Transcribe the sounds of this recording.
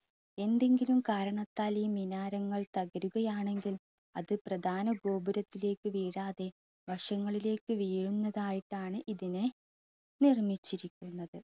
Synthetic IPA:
e̞nd̪e̞ŋɡilumkaːɾɐɳɐt̪ːaːliminaːɾɐŋːɐɭt̪ɐɣɐɾuɣɐjaːɳe̞ŋɡil | ɐðɨprɐd̪ʱaːnɐɡo̞ːbɐɾɐt̪ːile̞ːkːɨʋiːɽaːðe̞ | ʋɐʂɐŋːɐɭile̞ːkːɨʋiːɻunːɐðaːjiʈːaːɳɨʔiðinɨ | nirmit͡ɕːiɾikʲːunːɐðɨ

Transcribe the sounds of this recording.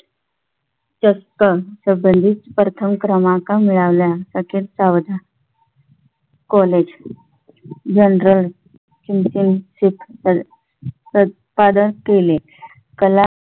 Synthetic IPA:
t͡ɕəst̪əsəbənd̪ʱit͡s̪pɾət̪ʰəmkɾəmãkamiɭaʋljasəkʰiːlt͡saʋd̪ʱa | kɔled͡ʑ | d͡ʑənɾəl | kimsinsipʰ | ə | pad̪ənkele | kəla

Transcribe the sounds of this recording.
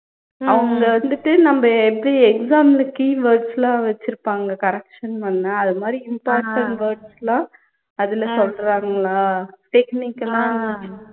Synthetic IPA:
ɐʋɐŋɡɐɭɐʋɐnd̪ɯʈːɯnɐmbɐɛpːɽiɛksaːmlɯkːiʋɐːɾɖslãːʋɛt͡ʃːɪɾɯpːaːŋɡɐkɐɾɛkʂɐnpɐnːɐɐðɯmaːd̪ɾiɪmpaːɾʈɐɳʈʋɐɾɖslãː | ɐðɪlɐsɔlɾaːŋɡɐɭaːʈɛkniːkːlãːɐ

